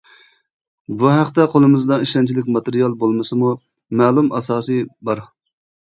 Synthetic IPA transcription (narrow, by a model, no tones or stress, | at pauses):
buɦæqt̪ɛqʰolˠɨmɨzd̪ɑiʃɑnt͡ʃʰilɪkʲmɑt̪eɾijɑlˠbolˠmɨsɨmu | mɛlˠumʔɑsɑːsɨbɑɾ